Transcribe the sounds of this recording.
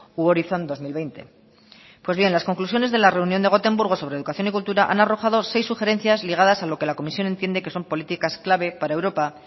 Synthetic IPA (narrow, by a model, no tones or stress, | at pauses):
uoɾiθo̞nd̪o̞zmilβe̞jnt̪e̞ | pwe̞zβje̞nlasko̞ŋklus̬jo̞ne̞zðe̞lare̞unjond̪e̞ɣ̞o̞t̪e̞mbuɾɣ̞o̞so̞β̞ɾeðukaθjo̞nikult̪uɾaʔa̰naro̞xað̞o̞se̞jsːuxe̞ɾe̞nθjazliɣ̞aðasalo̞ke̞lako̞misjo̞ne̞nt̪je̞nd̪e̞ke̞so̞mpo̞lit̪ikasklaβ̞e̞paɾaewɾo̞pa